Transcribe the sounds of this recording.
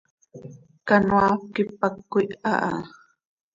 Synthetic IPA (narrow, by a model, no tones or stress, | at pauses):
kanwakɪp̚akːʊjʔaʔa